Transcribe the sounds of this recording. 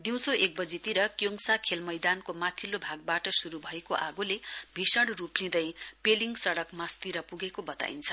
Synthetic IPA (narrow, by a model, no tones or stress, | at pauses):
d̪iw̃soʔek̚bʌd͡zit̪iɾʌkjoŋsakʰelmʌjd̪ankomat̪ʰilːobʱaɡ̚baʈʌsuɾubʱʌekoʔaɡulebʱisʌɽruplĩd̪ʌjpeliŋɡsʌɽʌkmast̪iɾʌpuɡekobʌt̪a̰int͡sʰʌ